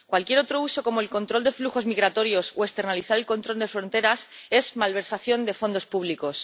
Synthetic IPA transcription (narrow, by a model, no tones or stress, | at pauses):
kwalkje̞ɾo̞t̪ɾo̞uso̞ko̞mo̞elko̞nt̪ɾo̞ld̪e̞fluxo̞zmiɣɾat̪o̞ɾjo̞soest̪e̞ɾnaliθaɾe̞lko̞nt̪ɾo̞ld̪e̞fɾo̞nt̪e̞ɾase̞zmalβ̞e̞ɾsaθjo̞nd̪e̞fo̞nd̪o̞spuβ̞liko̞s